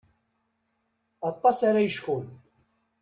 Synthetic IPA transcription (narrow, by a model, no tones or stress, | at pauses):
ɑt̪ˤːɑsaɾajəʃfʊl